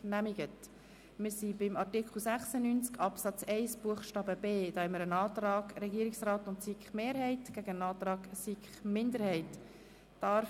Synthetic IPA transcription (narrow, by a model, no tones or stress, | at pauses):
næmiɡ̥ət | mɪsibɪmɑɾtikχl̩ˠsæχsənynt͡skɑpsɑt͡sɛɪsb̥uəχʃtɑːbəbeːd̥̪ɑːhɛmːəɾənɑːtɾɑːɡɾɛɡiəɾɪksrɑːtʊntsikχmeːɾhɛɪtɡ̥æɡəənɑːt̪ɾɑːɡ̥sikχmɪnd̪əɾhɛɪt | d̥ɑɾ